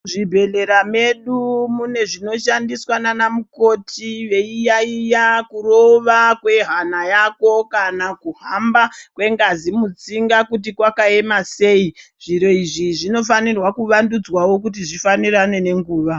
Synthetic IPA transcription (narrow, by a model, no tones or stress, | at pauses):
ʐibʱe̞le̞ɾame̞ɗumune̞ʐino̞ʃandiswananamuko̞tʰiʋe̞ijaijakuro̞ʋakwe̞ɦanajako̞kanakuɦambakwe̞ŋɡazimut͡siŋɡakut̬ikwakae̞mase̞iʐ̥iɾo̞iʐiʐino̞fanirwakuʋandud͡zwawo̞k̬ut̬iʐifanirane̞ne̞ŋɡuːʋa